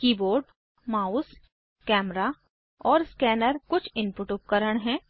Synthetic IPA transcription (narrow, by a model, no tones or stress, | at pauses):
kiːboːɾɖ | maːʊs | kɛːmɾa | ɔːɾskɛːnəɾkʊt͡ʃʰɪnpʊʈʊkkəɾəɽ̃ɦɛ̃ː